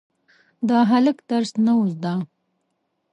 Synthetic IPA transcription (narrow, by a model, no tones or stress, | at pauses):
d̪ɑɦaləkd̪aɾsnauzd̪a